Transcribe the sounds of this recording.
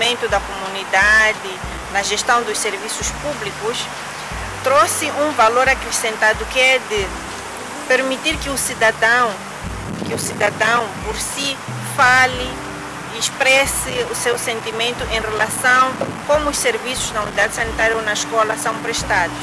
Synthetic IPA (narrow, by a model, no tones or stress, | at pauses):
mẽnt̪ud̪ɐkomunid̪ad̪ɪ | nɐʒeʃt̪ɐ̃w̃d̪uʃseɾvisuʃpublikuʃ | t̪ɾosɪũvaloɾakɾesẽnt̪ad̪ukɪɛd̪ɪ | peɾmit̪iɾkɪusid̪ad̪ɐ̃w̃ | kɪusid̪ad̪ɐ̃w̃poɾsi | fali | ʃpɾɛsiusewsẽnt̪imẽnt̪uʔẽrelasɐ̃w̃kõmʊːʃseɾvisuznɐunid̪ad̪ɪsɐnit̪aɾjɐonɐiʃkɔlɐsɐ̃w̃pɾeʃt̪ad̪uʃ